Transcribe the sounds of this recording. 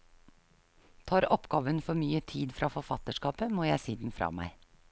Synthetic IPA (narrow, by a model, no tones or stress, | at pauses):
t̪ʰɑːɾɔpɡɑːʋənfɔɾmyːət̪ʰiːd̪fɾɑːfɔfɑt̪əʂkɑːpəmoːjæɪsiːd̪n̩fɾɑ̰ːmæ̰ɪ